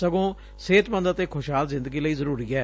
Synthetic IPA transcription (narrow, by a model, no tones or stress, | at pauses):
səɡõː | seːt̪mə̃nd̪t̪eːkʰʊʃɦaːlzɪ̃nd̪əɡiːləiːzəɾuːɾiːɛː